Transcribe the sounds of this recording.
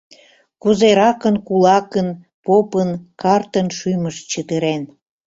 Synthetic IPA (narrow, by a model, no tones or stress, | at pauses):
kuzeɾɑkənkulɑkən | popənkɑrt̪ənʃyjməʃt͡ɕət̪əɾen